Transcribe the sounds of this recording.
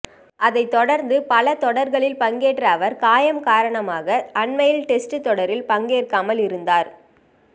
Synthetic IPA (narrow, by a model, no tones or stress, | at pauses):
ʔɐðɐɪt̪ːɔɽɐɾnd̪ɯpɐlɐt̪ɔɽɐɾɣɐɭɪlpɐŋɡeːʈrɐːʋɐɾkaːjɐmkaːɾɐɳɐmaːɣɐʔɐɳmɐjɪlʈɛsʈɯt̪ːɔɽɐɾɪlpɐŋɡeːrkaːmɐlɪɾɯnd̪aːɾ